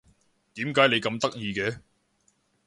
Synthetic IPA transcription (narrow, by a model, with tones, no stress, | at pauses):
t̪iː˨˥mkaː˨˥jne˨˧jkɐ˧mt̪ɐ˥k̚jiː˧kɛː˧